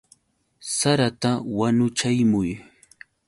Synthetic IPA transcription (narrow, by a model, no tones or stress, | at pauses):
saɾat̪awanʊt͡ʃajmʊj